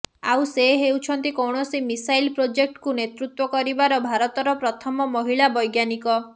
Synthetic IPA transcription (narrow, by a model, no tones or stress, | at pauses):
a̰wseɦewt͡ʃʰɔnt̪ikɔwɳɔsimisajlpɾod͡ʒek̚ʈkunet̪ɾut̪wɔkɔɾibaɾɔbʱaɾɔt̪ɔɾɔpɾɔt̪ʰɔmɔmɔɦiɭabɔjɡjanikɔ